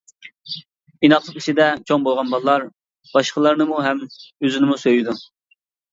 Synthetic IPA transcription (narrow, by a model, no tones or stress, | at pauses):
inɑχlˠəqi̥t͡ʃʰid̪ɛt͡ʃʰoŋbolˠʁɑnbɑlˠlˠɑɾ | b̥ɑʃqəlˠɑɾnɨmuɦɛmøzɪnɪmusøjid̪u